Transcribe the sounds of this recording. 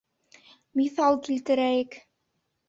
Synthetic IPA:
miθɑlˠkilt̪ɘ̆ɾæjɘk

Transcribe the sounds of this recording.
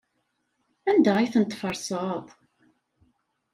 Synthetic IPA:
ænd̪æiθənt̪ˤːfəɾˤsəðˤ

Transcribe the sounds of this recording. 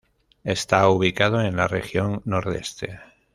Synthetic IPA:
e̞st̪auβ̞ikað̞oenlarexjo̞ŋːo̞ɾðe̞̰st̪ḛ

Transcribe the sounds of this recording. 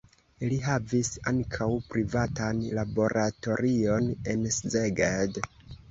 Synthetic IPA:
liɦavisaŋkʰawpɾivatanlabo̞ɾʔato̞ɾio̞ne̞nszeɡed

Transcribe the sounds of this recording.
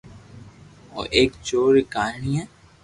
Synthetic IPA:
o̰ʔeːkt͡ʃoːɾekaːɳijãː

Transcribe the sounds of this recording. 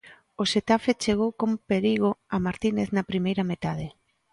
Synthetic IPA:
oset̪afet͡ʃeɣ̞owkompeɾiɣ̞oamaɾt̪ineθnɐpɾimejɾɐmet̪að̞e

